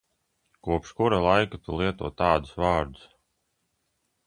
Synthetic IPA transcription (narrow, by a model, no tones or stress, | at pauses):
kuɔpʃkuɾalˠajkat̪ulˠiɛt̪uɔːt̪aːd̪ʊsvaːɾd̪ʊs